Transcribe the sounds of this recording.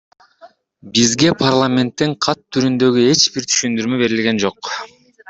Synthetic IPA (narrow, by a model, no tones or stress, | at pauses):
bizɡe̞pʰarlˠamʲe̞nt̪ːiɴqʰɑt̪ʰːyɾynd̪ø̞ɡye̞t͡ʃbiɾt̪ʰy̥ʃynd̪yɾmøbe̞ɾilɡʲe̞nd͡ʒo̞q